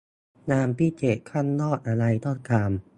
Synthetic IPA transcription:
naː˧mpiː˥˩t͡ɕe˨˩kʰa˥˩nːɔː˥˩t̪̚ʔa˧ɾa˧jt̪ɔ˥˩kaː˧m

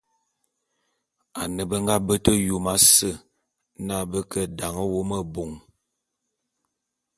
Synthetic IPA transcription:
a˨nə˨bə˦ŋɡa˦bə˦tə˦ju˨ma˦sə˦˨ | na˦˨bə˦kə˦da˨ŋə˦wo˦mə˦bo˨ŋ

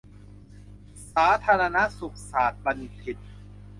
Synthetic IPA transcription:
saː˩˦t̪ʰaː˧ɾa˧na˦˥su˨˩k̚saː˨˩t̪̚ba˧nt̪ʰi˨˩t̪̚

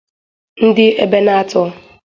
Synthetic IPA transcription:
n̩˦dɪ˦e˦be˦na˦tɔ˦

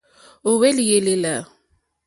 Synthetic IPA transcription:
ʊ˨we˦lɪ˨je˨lɪ˦la˨

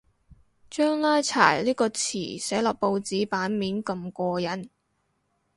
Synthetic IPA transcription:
t͡ʃœː˥ŋlaː˥jt͡sʰa̰ː˨˩jliː˥kɔː˧t͡sʰḭː˨˩sɛː˨˥jlɔ˨˩k̚po˧wt͡siː˨˥paː˨˥nmiː˨˥nkɐ˧mkɔː˧jɐ˨˥n

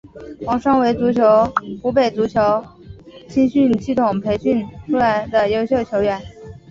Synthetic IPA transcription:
wɑ˧˥ŋʂɑ˥ŋwe˧˥ɪt͡su˧˥t͡ɕʰjo˧˥ʊxu˧˥pe˨˩ɪt͡su˧˥t͡ɕʰjo˧˥ʊ | t͡ɕʰi˥nɕy˥˧nɕi˥˩t̪ʰʊ˨˩ŋpʰe˧˥ɪɕi˥˩nʈ͡ʂʰu˥la˧˥ɪd̪ə˧jo˥ʊɕjo˥˩ʊt͡ɕʰjo˧˥ʊɥɛ˨˩˦n

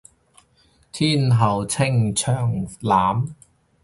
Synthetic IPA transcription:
t̪ʰiː˥˩nɦɐ˨˩wt͡sʰɪ˥˩ŋt͡ʃʰœː˨˩ŋlaː˨˥m

